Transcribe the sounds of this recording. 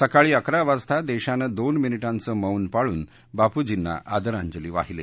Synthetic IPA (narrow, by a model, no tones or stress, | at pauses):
səkaɭiːəkɾaʋast̪ʰad̪ɛɕanəd̪onminiʈãnt͡səməwnpaɭuːn | bapud͡ʑinːa̰ʔad̪əɾaɲd͡ʑəliːʋa̰ɦilḛ